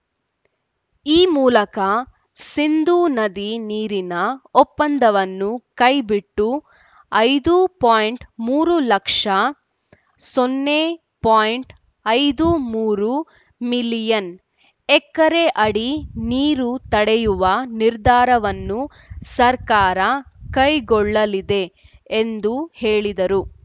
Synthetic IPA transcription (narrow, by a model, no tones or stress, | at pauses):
iːmuːlɐkɐ | sind̪uːnɐd̪iniːɾinɐɔpːɐnd̪ɐʋɐnːukɐjbiʈːu | ɐjd̪upaːjɳʈmuːɾulɐkʂɐ | sonːe | paːjɳʈ | ɐjd̪umuːɾu | milijɐn | ɛkːɐɾeʔɐɽiniːɾut̪ɐɽɛjuʋɐniɾd̪ʱaːɾɐʋɐnːu | sɐɾkaːɾɐkɐjɡɔɭːɐlid̪e̞ː | nd̪uhe̞ːɭid̪ɐɾu